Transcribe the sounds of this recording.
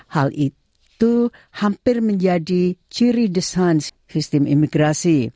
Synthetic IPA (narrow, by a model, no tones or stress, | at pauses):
hali | t̪uhampɪrməɲd͡ʒadit͡ʃiɾidisans | sist̪ɪmḭmiɡɾasi